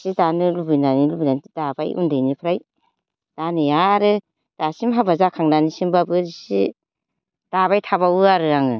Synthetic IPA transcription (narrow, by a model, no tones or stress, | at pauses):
sidanɯlubinanilubinanidabajʔṵndɯjnipʰɾaj | d̥anɯjaɾɯ | d̥asimɦabazakʰaŋnanisimbabɯdisi | d̥aβajtʰabawɯaɾɯaŋɯ